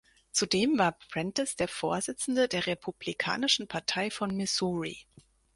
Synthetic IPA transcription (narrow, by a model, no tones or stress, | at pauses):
t͡sudeːmvaːɐpʁ̥ɪntɛsd̥eːɐfoːɐzɪt͡sn̩dədeːɐʁepʰublikʰa̰ːnɪʃn̩pʰaɐtʰaɪfɔnmɪsuːʁḭ